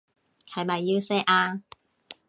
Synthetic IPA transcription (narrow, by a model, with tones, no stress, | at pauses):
hɐ˨jmɐ˨˩jːi˧wsɛː˥ʔaː˧